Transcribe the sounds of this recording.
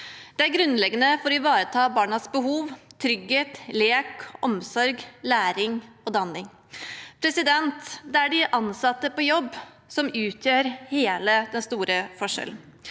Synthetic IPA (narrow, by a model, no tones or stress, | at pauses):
d̪̥ɛæɾɡɾʉnːlɛɡːənəfɔɾɔɪʋɑːɾət̪ʰɑːbɑːɳɑsbəɦuːʋt̪ʰɾʏɡheːt̪leːkʔɔmsɔɾɡlæːɾɪŋ | ɔd̪ɑnɪŋ | pʰɾɛsɪd̪ɛnt̪d̪ɛæɖɪʔɑnsɑt̪ːəpɔjɔbː | sɔmʉːt̪ʰjøːɾheːləd̪ɛnst̪uːɾəfɔʂɛ̰ln̩